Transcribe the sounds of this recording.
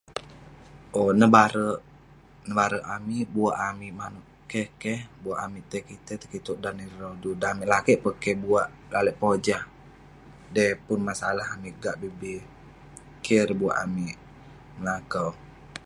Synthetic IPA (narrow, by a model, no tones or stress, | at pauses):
ʔonəbaɾəʔ | nəbaɾəʔamiʔbuaʔamiʔmanuʔ | kehkɛhbuaʔamiʔt̪ɛkit̪ət̪ə̥kit̪uʔdaniɾodudamiʔlakɛʔpəkɛbuaʔ | ɡaləʔpod͡ʒah | dɛpʊnmasalaɦamiʔɡaʔbibi | kʰɛɾbua̰ʔamiʔ | məlakəw